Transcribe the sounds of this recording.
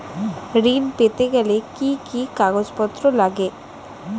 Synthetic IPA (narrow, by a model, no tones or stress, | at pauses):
ɾinpet̪eɡɛlekikikaɡod͡ʑpɔt̪ːɾolaɡe